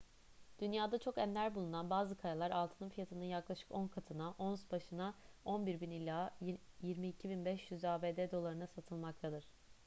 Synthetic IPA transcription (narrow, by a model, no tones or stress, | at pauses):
d̪̥ynjaːd̪at͡ʃʰo̞kɛmlʲæɾbulˠunanbaːzɯkʰajalˠaɾalˠt̪ʰɯnɯmfijat̪ʰɯnɯnjaklˠaʃɯ̥konkʰat̪ʰɯnaʔo̞nsbaʃɯnao̞nbiɾbinilʲaːjiɾmiːcʰibinbɛʃjyzaːbeːd̪ɛd̪o̞lˠaɾɯnasat̪ʰɯlˠmak̚t̪ʰad̪ɯɾ̥